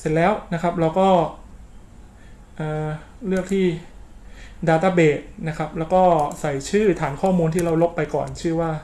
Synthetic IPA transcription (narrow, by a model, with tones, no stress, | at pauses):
se˨˩nlɛː˦˥wna˦˥kʰa˦˥p̚ɾa˧wkɔː˥˩ | ʔɤː˨˩ɾɯ˥˩ək̚t̪ʰiː˥˩ | daː˧t̪aː˧˩beː˨˩t̪̚na˦˥kʰɾa˦˥p̚lɛː˦˥wkɔː˥˩sa˨˩jt͡ɕʰɯː˥˩t̪ʰaː˩˦nkʰɔː˥˩muː˧nt̪ʰiː˥˩ɾa˧wlo˦˥pːa˧jkɔ̰ː˨˩nt͡ɕʰɯː˥˩waː˥˩